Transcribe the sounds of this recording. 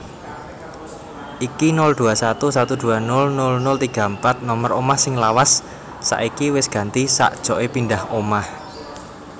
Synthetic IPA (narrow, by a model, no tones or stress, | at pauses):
ʔikinʊld̪̥uasat̪usat̪ud̪̥ṳanʊlnʊlnʊlt̪iɡ̥a̤mpat̪̚nɔməɾomahsɪŋlawasː | a̰ʔikiwɪsɡ̥ä̤nt̪isa̰ʔd̥ʒ̥ɔ̤ʔepindahomah